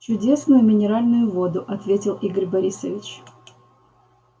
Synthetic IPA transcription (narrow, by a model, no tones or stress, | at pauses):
t͡ɕʊdʲe̞snʊjʊmʲɪnʲɪɾalʲnʊjʊvo̞d̪ʊʔɐt̪vʲetʲɪlˠiɡəɾʲbɐɾʲisəvʲɪt͡ɕ